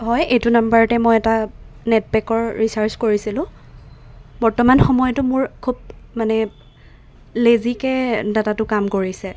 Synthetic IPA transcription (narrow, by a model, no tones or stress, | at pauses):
ɦɔjejtʊnambaɹɔtɛmojɛta | nɛt̚bɛkɔɹɹisaɹskoɹisilʊ̃ | bɔɹtɔmanxɔmɔjɔtʊmʊɹkʰub̚manɛ | lezikɛdatatʊkamkoɹisɛ